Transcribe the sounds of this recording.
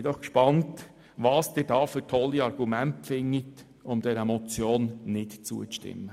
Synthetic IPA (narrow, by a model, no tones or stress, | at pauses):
d̥̪ɔχkʃpɑnt | ʋɑːsd̥ɪːdɑːfytʰɔlːiɑɾɡ̥umɛntpfɪŋːit | ʊmd̪ɛɾɛmɔt͡sjoːnnɪtt͡sṵːət͡sʃtɪ̰mːə